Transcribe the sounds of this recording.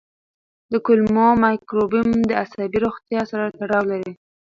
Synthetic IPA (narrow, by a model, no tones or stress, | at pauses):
d̪əkʊlmomajkɾobimd̪əashabiɾoxt̪jɑsaɾat̪aɽɑwlaɾi